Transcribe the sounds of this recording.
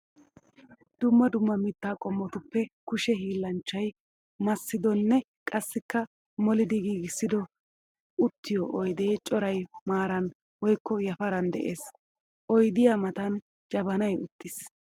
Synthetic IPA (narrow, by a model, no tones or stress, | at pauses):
d̪̥ʊmːɐd̪ʊmːɐmɪt̪ːaːkʼɔmːɔt̪ʊpːɛkʊʃɛɦiːlːɐnt͡ʃːɐj | mɐsːɪd̪ɔnːɛ | kʼɐsːɪkːɐ | mɔlɪd̪ɪɡiːɡɪsːɪd̪ɔ | ʊt̪ːɪjɔʔɔjd̪eːt͡ʃʼɔɾɐjmaːɾɐn | wɔjkːɔjɐfɐɾɐnd̪ɛ̰ʔeːs | ʔɔjd̪ɪjaːmɐt̪ɐn | d͡ʒɐbɐnɐjʊt̪ːɪs